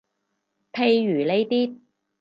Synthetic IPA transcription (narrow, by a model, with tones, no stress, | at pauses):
pʰe˨˧jːyː˨˩le˨˧jt̪iː˥t̚